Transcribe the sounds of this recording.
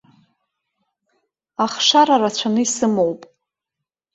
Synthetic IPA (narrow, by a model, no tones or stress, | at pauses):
aχʂaɾarat͡ɕʷʰanɨisɨmowpʼ